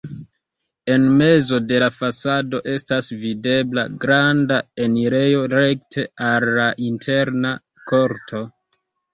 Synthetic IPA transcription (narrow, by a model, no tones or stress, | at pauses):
e̞nme̞zo̞de̞lafasado̞ʔe̞stasvide̞blaɡɾandae̞niɾe̞jo̞ɾe̞ktʰe̞alːaʔintʰe̞ɾna | ko̞ɾtʰo̞